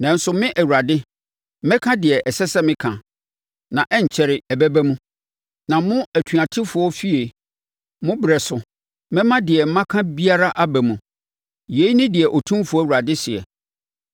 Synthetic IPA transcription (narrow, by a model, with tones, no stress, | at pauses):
nɛ̃˨n̩˦sʊ˨mɪ̃˦ʔæ˨wu˨ɾa˨dɪ˦ | m̩˦mɛ̃˦kʰã˦dɪ˨ɛ˨ʔɛ˨sɛ˦sɛ˦mɪ̃˦kʰã˨ | nã˨ʔɛ˦ɲ̩˨t͡ɕʰɛ˨ɾɪ˨ɛ˨bɛ˦bæ˦mũ˦ | nã˨mʊ̃˦æ˨tʰɥa˨tʰɪ˦fʊ˨ɔ˦fi˦e˨ | mʊ̃˦bɪ˨ɾɛ˨sʊ˨ | mɪ̃˦mã˦dɪ˨ɛ˨m̩˦mã˦kʰã˦bi˦a˦ɾa˦ʔa˦bɛ˨mũ˨ | je˨˦i˦nɪ̃˦dɪ˨ɛ˨ʔɔ˨tʰũ˦mfʊ˨˦ɔ˦˨wu˨ɾa˨dɪ˦sɪ˨ɛ̰˨